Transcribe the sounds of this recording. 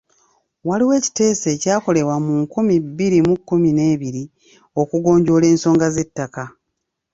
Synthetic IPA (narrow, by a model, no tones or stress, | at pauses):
waliwe̞ːci̥te̞ːse̞ːcaːko̞le̞wamuŋkumibːiɾimukːumine̞ːβiɾi | o̞kuɡo̞ːɲɟo̞le̞ːnso̞ːŋɡaze̞tːaka